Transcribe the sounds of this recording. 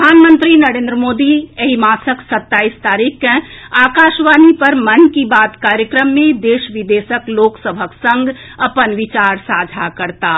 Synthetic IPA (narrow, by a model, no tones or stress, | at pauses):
pəd̪ʱaːnmə̃nt̪ɾinɐɾẽːnd̪ɾəmoːd̪ieɦimaːsəksət̪ːaːist̪aːɾikːẽaːkaːʃʋaːnipəɾmɐnkibaːt̪kaːɾjəkɾəmːẽd̪eːʃʋid̪eːsəkloːksəbʱəksə̃ŋɡ | ɐpənʋɪt͡ʃaːɾsaːd͡ʒʱakəɾt̪aː